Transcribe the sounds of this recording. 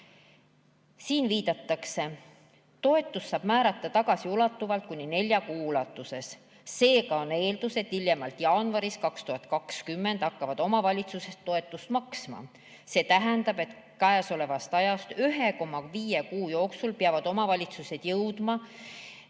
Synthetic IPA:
siːnviːd̪̥ɑt̪ˑːɑkse̞ | t̪o̞e̞t̪ːˑusːɑːb̥mæːɾɑt̪ˑːɑt̪ɑɡ̥ɑsiulɑt̪ːuvɑlt̪̚kunʲːine̞lʲjɑkuːulɑt̪ːˑuse̞s | se̞ːkɑone̞ːld̪use̞t̪ːiljemɑlt̪jɑːnvɑɾiskɑkst̪uhɑt̪kɑkskymːe̞nd̪ɑkːɑvɑd̪̥o̞mɑvɑlʲit̪suse̞st̪ːo̞e̞t̪ːˑust̪mɑksmɑ̰ | se̞ːt̪æɦænd̪ɑb̥et̪ | kæeso̞le̞vɑst̪ɑjɑst̪yɦe̞ko̞mːɑviːjekuːjo̞ːksulpeɑvɑd̪̥o̞mɑvɑlʲit̪suse̞d̪̥jɤwd̪̥mɑ

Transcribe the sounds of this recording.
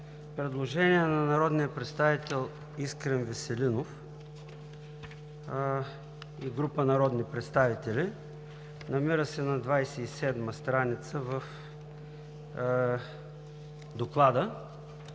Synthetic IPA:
pɾɛd̪lˠoʒɛniɛnɐnɐɾɔd̪nijəpɾɛt̪st̪avit̪ɛlˠ | iskɾɛnvɛsɛlinof | iɡɾupənɐɾɔd̪nipɾɛt̪st̪avit̪ɛli | nɐmiɾəsɛnɐd̪vajsɛisɛd̪məst̪ɾanit̪səvəf | d̪oklˠad̪ə

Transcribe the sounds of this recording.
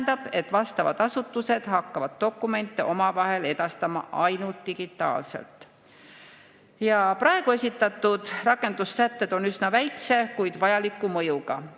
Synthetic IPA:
nd̪ɑb̥e̞t̪ːˑvɑst̪ɑvɑ̰d̪ɑsut̪ːuse̞d̪̥hɑkːɑvɑd̪̥̚ːo̞kːˑume̞nt̪ːˑeʔo̞mɑvɑɦe̞le̞d̪̥ɑst̪ɑmɑ̰ʔɑjnult̪ːiɡ̥it̪ːˑɑ̰ːlse̞̰lt̪ˑ | jɑprɑe̞ɡ̥ue̞sʲit̪ːˑɑt̪ːˑud̪̥rɑkːˑe̞nd̪̥usːæt̪ːe̞d̪̥o̞nysnɑvæjkse̞kujd̪̥vɑjɑlikːˑumɤjuɡɑ

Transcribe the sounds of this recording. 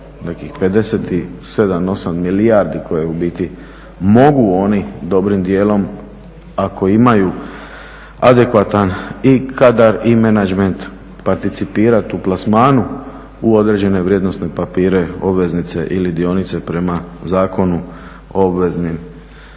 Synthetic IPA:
nekixped̪e̞set̪ise̞d̪amo̞samːiliaɾd̪ikʰo̞jeubit̪i | mo̞ɡuo̞nid̪o̞bɾimd̪je̞ːlo̞m | ako̞imaju | ad̪e̞kʋat̪anikʰad̪aɾimenad͡ʒment̪ | paɾt̪it̪sipiːɾat̪uplasmaːnu | uo̞d̪ɾed͡ʑe̞ne̞ʋɾjed̪no̞st̪ne̞papiːɾe̞o̞bʋe̞znit̪se̞ʔilid̪io̞nit̪se̞pɾe̞mazaːko̞nu | obʋe̞znim

